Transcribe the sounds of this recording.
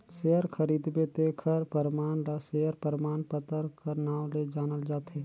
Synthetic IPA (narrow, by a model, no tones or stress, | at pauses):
seəɾkʰɐɾiːd̪bet̪ekʰəɾpəɾɪmaːnɾaseːəɾpəɾɪmaːnpət̪əɾkɐɾnaːwled͡ʒaːnəld͡ʒaːt̪ɦɛː